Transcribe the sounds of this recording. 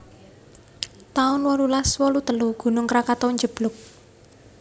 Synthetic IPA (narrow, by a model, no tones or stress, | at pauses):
t̪aʊnwɔlulaswɔlut̪əluɡ̥ṳnʊŋkɾakat̪ɔɲd͡ʒəb̥lʊk̚